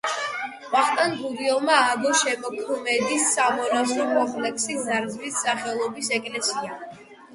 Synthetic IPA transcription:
vaχt̪ʼanbuɾiɔmaːɡɔʃɛmɔkʰɔmɛd̪isːamɔɾasɔmɔχlɛksizaɾzlisːaχɛlˠɔbisɛkʼlɛsia

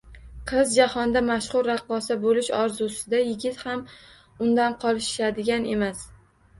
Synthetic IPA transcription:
qʰɨzd͡ʒahɒnd̪amaʃχʊɾːɑqːɒsabolɪʃɒɾzusɪd̪ajɪɡʲɪt̪ham | ʊnd̪anqʰɒlˠɪʃʃad̪ɪɡʲane̞mas

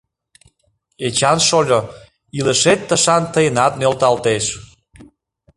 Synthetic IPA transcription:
et͡ɕɑnʃolʲo | iləʃet̪ːəʃɑnt̪əjənɑt̪̚nølt̪ɑlt̪eʃ

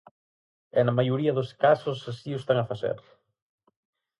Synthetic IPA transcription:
ɛnɐmajoɾiɐðʊskasʊsasiʊst̪aŋɐfaθḛɾ

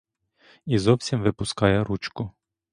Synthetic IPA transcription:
izɔwsʲimʋɪpʊskɑjɛɾut͡ʃkʊ

